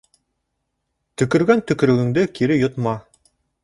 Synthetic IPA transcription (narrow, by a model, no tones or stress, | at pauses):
t̪ɵ̆kɵ̆ɾɡænt̪ɵ̆kɵ̆ɾɵ̆ɡɘ̆ŋd̪ɘkʰiɾɘjŏt̪mɑ